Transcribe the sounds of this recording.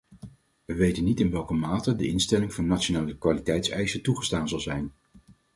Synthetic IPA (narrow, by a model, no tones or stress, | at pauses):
ʋəʋejtənːitɪnʋɛlˠkəmaːtədəɪnstɛlɪŋvɑnːat͡ʃonaːləkʋaːlitɛjtsɛjsətuχəstaːnzɑlˠzɛjn